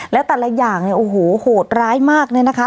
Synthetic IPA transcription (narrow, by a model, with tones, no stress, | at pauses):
lɛː˦˥wt̪ɛː˨˩la˧˥˩jaː˨˩ŋni˧˩ʔoː˨˩hoː˨˩˦hoː˨˩t̪̚ɾaː˦˥jmaː˥˩k̚na˧˩na˦˥kʰa˦˥